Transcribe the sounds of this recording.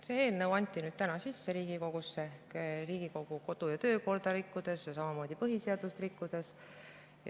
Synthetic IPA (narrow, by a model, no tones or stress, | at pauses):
seeːlnewɑnʲt̪ʲːˑinyːd̪̥̚t̪ænɑsisːe̞ɾiːɡ̥iko̞ɡ̥usːekriːɡ̥iko̞ɡ̥uko̞d̪̥ujɑt̪ø̞ːko̞rd̪̥ɑɾikːud̪̥e̞sjɑsɑmɑmo̞ːd̪̥ipɤɦiseɑd̪̥ust̪rikːud̪̥e̞s | j